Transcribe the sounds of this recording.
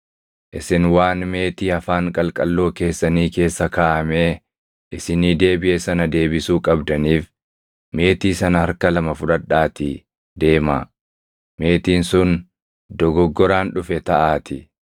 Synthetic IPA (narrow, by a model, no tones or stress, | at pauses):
ʔɪsɪnwaːnme̞ːt̪iːɐfaːŋkʼɐlkʼɐlːo̞ːke̞ːsːɐniːke̞ːsːɐkaːʔɐme̞ː | ʔɪsɪniːd̪e̞ːbɪʔɛsɐnɐd̪e̞ːbɪsuːkʼɐbd̪ɐniːf | me̞ːt̪iːsɐnɐhɐɾkɐlɐmɐfʊᶑɐᶑaːt̪ɪ | d̪e̞ːma̰ː | me̞ːt̪iːnsʊn | d̪ɔɡɔɡːɔɾaːnᶑʊfɛt̪ɐʔaːt̪ɪ